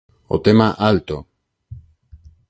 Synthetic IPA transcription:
o̰t̪emaʔalt̪o

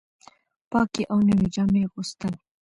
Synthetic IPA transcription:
pɑkiʔawnawid͡ʒɑmeɣʊst̪əl

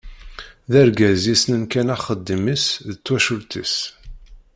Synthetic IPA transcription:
ðæɾɡæzisnənkænæχəd̪ːimisðət͡sːwæʃʊlt̪ḭs

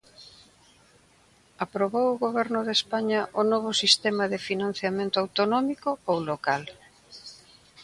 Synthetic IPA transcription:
apɾoβowʊɣoβɛɾnʊðespaɲɐʔʊnoβ̞ʊsist̪ɛmɐðɪfinãn̟θjamẽnt̪ʊawt̪onɔmikʊowlokal

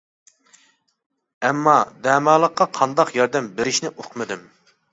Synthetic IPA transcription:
ɛmːɑd̪ɛːmɑːlˠəqːɑqʰɑnd̪ɑqjɑɾd̪ɛmbeɾɪʃnɪʔoqmɨd̪ɪm

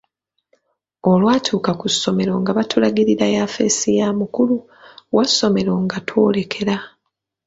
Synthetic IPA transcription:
o̞lwaːtʰuːkakusːo̞me̞ɾo̞ŋɡaβatʰulaɡiɾiɾajaːfe̞̰sijaːmukulu | wʔaso̞me̞ɾo̞ːŋɡatʰwo̞ːle̞kʰe̞ɾa

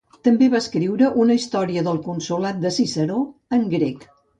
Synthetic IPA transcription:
t̪əmbeβaəskɾiwɾəʔunəist̪ɔɾiəðəlˠkunsulat̪̚d̪əsisəɾoəŋɡɾek

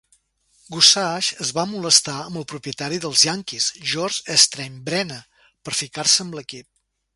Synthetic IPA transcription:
ɡusaʃəzβamuləst̪aəmbəlˠpɾupiət̪aɾiðəlˠzjaŋkisʒɔɾʒəst̪ɾɛmbɾɛnə | pəɾfikarsəəmbləkip̚

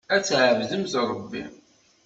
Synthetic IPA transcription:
æt͡sːʕvðəmzɾˤəbːḭm

